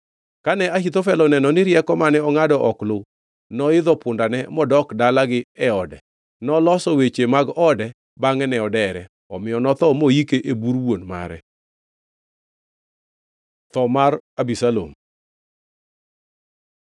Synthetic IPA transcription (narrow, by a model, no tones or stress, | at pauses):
kanɛahit̪ofɛlɔnɛnɔnɪɾjɛkɔmanɛɔŋadɔʔɔklʊ | nɔɪd̪ɔpʊndanɛmɔdɔkdalaɡɪɛɔdɛ̰ | nɔlɔsɔwet͡ʃemaɡɔdɛ | baŋɛnɛɔdɛɾɛ | ɔmɪjɔnɔt̪ɔmojikeʔebuɾwonma̰ɾɛ̰ | t̪ɔmarabisalo̰m